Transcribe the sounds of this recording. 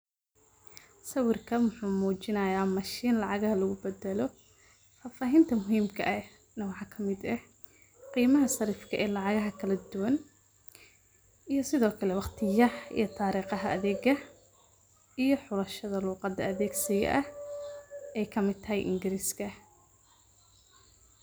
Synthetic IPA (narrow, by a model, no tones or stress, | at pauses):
sɐwɪrkʰɐwʊħuːmuːt͡ʃɪnɐjaːmɐʃiːnlɑʕɑɣɐhɐlɐɣʊbɛd̪ɛlɔ | faːfaːɦɪnt̪ʰɐmʊɦiːmkʰɐʔɛ | nɐwɑħɑːkʰɐmɪd̪ɛ | qiːmɐɦɐsɐɾiːfkʰɐʔɛːlɑʕɑɣɐɦɐkʰɐlɐd̪ʊwɐn | ʔijɞsɪðɔːkʰɐlɛwɑχt̪ʰɪjɐḭjɞt̪ʰaːɾiːqɑɦɐɐ̰ðɛːɣɐ | ijɞħʊlɐʃɐðɐluːqɑd̪ɐɐðɛːɡsɪjɛ̰ʔɐh | ɛjkʰɐmɪd̪̚t̪ʰɐhɛjʔɪ̰ŋɡɪɾiːskʰɐ